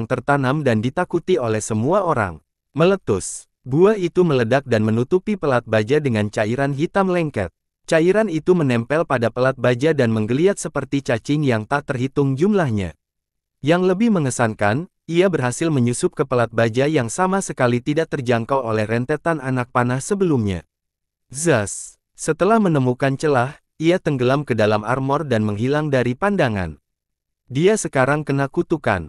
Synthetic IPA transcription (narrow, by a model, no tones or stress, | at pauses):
ŋt̪ərt̪anamdandit̪akut̪iolɛhsəmuaoɾa̰ŋ | mələt̪ʊs | buait̪umələdak̚danmənut̪upipəlat̪̚bad͡ʒadəŋant͡ʃaiɾanɦit̪amlɛŋkɛ̰t̪̚ | t͡ʃaiɾanit̪umənɛmpɛlpadapəlat̪̚bad͡ʒadanməŋɡəliat̪̚səpərt̪it͡ʃat͡ʃɪŋjaŋt̪aʔt̪ərɦit̪ʊŋd͡ʒumlahɲa̰ | jaŋləbɪhməŋəsankan | iabərɦasɪlməɲusʊp̚kəpəlat̪̚bad͡ʒajaŋsamasəkalit̪idaʔk̚t̪ərd͡ʒaŋkawolɛhrɛnt̪ɛt̪ananak̚panahsəbəlumɲa̰ | zasː | ət̪əlahmənəmukant͡ʃəlah | iat̪əŋɡəlamkədalama̰rmɔrdanməŋɦilaŋdaɾipandaŋa̰n | diasəkaɾaŋkənakut̪uka̰n